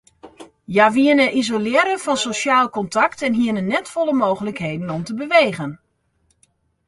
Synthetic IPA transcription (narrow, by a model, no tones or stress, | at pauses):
jaʋiənəʔizolɪəɾəfɑnsoʃaːlˠkɔntɑktɛnɦiənənɛtfɔləmoːɣələkɦeːdən̩ɔmtəbəʋeːɣən